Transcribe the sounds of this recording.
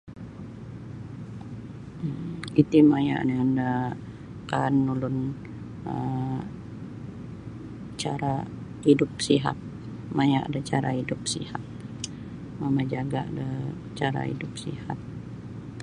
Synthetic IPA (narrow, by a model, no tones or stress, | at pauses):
it̪imaja̰ʔnianda | kanːulʊn | ə | t͡ʃaɾa | idʊp̚siɦa̰t̪̚ | majaʔadat͡ʃaɾaidʊp̚sḭhat̪̚ | mamad͡ʒaɡaada | t͡ʃaɾa̰ḭdʊp̚sḭhat̪̚